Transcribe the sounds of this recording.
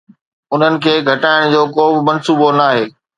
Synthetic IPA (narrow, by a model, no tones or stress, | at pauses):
ʊn̤ənɪ̆kʰeːɡʱɐʈaːɪɽ̃d͡ʑoːkoːbɪmɐ̃nsuːbonaːɦeː